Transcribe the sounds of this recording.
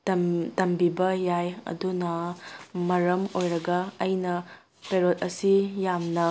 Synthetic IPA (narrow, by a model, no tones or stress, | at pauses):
ɐtɐmbibɐjajɐ̰dunɐmɐɾɐmojɾɐɡɐːjnɐ | peɾot̚ɐsijamnɐ